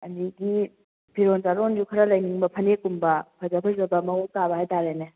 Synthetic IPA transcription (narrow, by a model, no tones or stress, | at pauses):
ɐndiɡi | bʰʱiɾontaɾond͡ʒukʰɐɾɐlɐjniŋbɐpʰɐnekumbɐpʰɐzɐpʰɐzɐbɐmɐukaβɐhajtaɾene